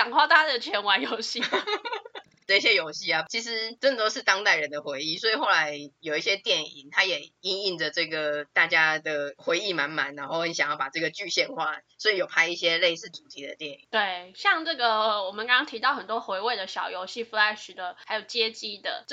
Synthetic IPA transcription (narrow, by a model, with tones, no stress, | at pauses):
ɑ˨˩ŋkʰwa˥˩t̪ʰa˥d̪əə˩t͡ɕʰjɛ˧˥nwa˧˥njo˧˥ʊɕi˥˨˩ | ʈ͡ʂɕ̬jɛ˦jo˧˥ʊɕi˥˩a˨t͡ɕʰi˧˥ʂ̬ɻ̩˧˦ʈ͡ʂə˥nd̪ə˨˩t̪o˥ʊʂɻ̩˥˧t̪ɑ˥ŋt̪a˥˩ɪɻə˨˦nd̪ə˨xwe˧˦ɪi˥˩swɔ˧˥i˨˩xo˥˩ʊla˧˦ɪjo˨˩ʊi˥˩ɕjɛ˦˥t̪jɛ˥˩nḭ˨˩ŋt̪ʰa˥jɛ˨˩i˦˥ni˥˩ŋdə˩ʈ͡ʂɤ˥˩ɡə˩t̪a˥˩t͡ɕja˥d̪ə˨xwe˧˥ɪi˥˩ma˧˦nma˧˦nna˧˥nxo˥˩ʊxə˧˦nɕɑ˨˩ŋjɑ˥˩ʊpa˨˩ʈ͡ʂɤ˥˩ɡə˩t͡ɕy˥˧ɕjɛ˥˧nxwa̰˥˨swɔ˧˥i˨˩jo˨˩ʊpʰa˥ɪi˥˩ɕjɛ˦le˥˧ɪsɹ̩˥˩t͡su˨˩t̪ʰi˨˥d̪ə̰˨t̪jɛ˥˩ni˨˩˦t̪we˥˩ɪɕjɑ˥˧ŋʈ͡ʂɤ˥˩ɡə˩˧wɔ˨˩mə˨nkɑ˥ŋkɑ˥ŋt̪ʰi˧˥t̪ɑ˥˩ʊxə˨˩nt̪wɔ˦˥xwe˧˥ɪwe˥˩ɪd̪ə˩ɕjɑ˨˩ʊjo˧˥ʊɕi˥˩fu˧˥la˧˥ɪʂy˨˥d̪ə˧xa˧˥ɪjo˨˩ʊt͡ɕjɛ˦˥t͡ɕi˥d̪ə̰˨